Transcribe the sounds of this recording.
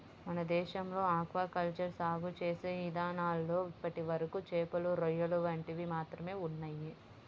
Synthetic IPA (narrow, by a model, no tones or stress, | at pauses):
mɐnɐd̪ɛːʃɐmlo̞ːaːkʋaːkɐlt͡ʃɐɾsaːɡut͡ʃeːseːʋid̪aːnaːlːo̞ːipːɐʈiʋɐɾɐkut͡ʃeːpɐluɾɔjɐluʋɐɳʈiʋimaːt̪ɾɐme̞ːunːɐjːi